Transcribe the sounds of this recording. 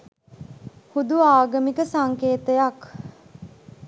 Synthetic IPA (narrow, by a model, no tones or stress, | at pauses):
hud̪uaːɡəmikəsaŋkeːt̪əjak